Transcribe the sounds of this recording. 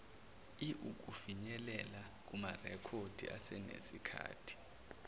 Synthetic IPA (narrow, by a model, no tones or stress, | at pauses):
iʔuk̬ʼufiɲɛlɛla | k̬umarɛkʰod̥ʱiʔa̰sɛnḛsikʰa̰ːtʰi̥